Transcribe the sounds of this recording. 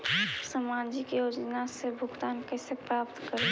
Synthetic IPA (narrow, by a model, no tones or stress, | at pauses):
səmad͡ʒikejoːd͡ʒnasebʱʊɡt̪aːnkɛsepɾaːpt̪kəɾe